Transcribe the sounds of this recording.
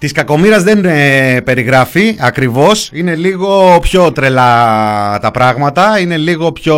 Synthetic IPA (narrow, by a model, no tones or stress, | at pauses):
t̪iskɐko̞miɾɐzðe̞npe̞ɾiɣɾɐfiɐkɾivo̞sine̞liɣo̞pço̞t̪ɾe̞lɐ | t̪ɐpɾɐɣmɐt̪ɐine̞liɣo̞pço̞